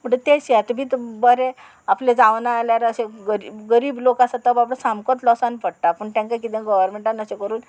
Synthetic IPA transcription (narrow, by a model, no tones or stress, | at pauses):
m̤əɳd͡ʑet̪eɕat̪bʱit̪bəɾe | apled͡zaʋnaːljaɾəseɡəɾiɡəɾiːblokãsat̪əbapɽəsamkɔt̪lɔsanpəɽʈ̪apəɳt̪jãŋkakit̪ẽɡɔʋəɾmeɳʈanəsekəɾuːn